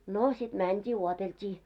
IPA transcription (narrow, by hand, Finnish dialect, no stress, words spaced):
no sit mæntʲiː uoteltʲiː